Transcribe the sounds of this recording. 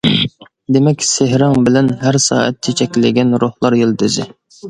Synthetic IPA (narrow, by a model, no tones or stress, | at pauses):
d̪emɛkʲseɦɾɪŋbɪlɛnɦæɾsɑ̰ːɛ̰t̪ʰːɪt͡ʃʰɛkʲlɪɡʲɛnɾohlˠɑɾjɪld̪ɪzɪ